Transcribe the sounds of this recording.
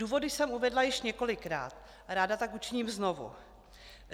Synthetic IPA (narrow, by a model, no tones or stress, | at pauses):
uːvo̞dɪsɛmuvɛdlajɪʃɲɛko̞lɪkɾa̰ːt̪ | ɾaːdat̪akut͡ʃɪɲiːmznovṵ